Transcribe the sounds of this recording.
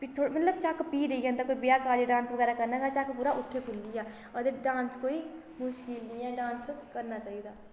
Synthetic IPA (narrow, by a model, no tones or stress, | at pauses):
pit̪ʰoɽmɐt̪ləbt͡ʃaːkpiːd̪eiɡə̃nt̪akoːibijakaːd͡ʒeɖãːnsbəɣɛːɾakɐɾnat͡ʃat͡ʃakpuːɾaʔʊt̪ʰːekʰʊlːija | ɐd̪eɾɖãːnskoːi | mʊʃkɪlnĩɛɖãːnskɐɾnat͡ʃaːɦid̪aː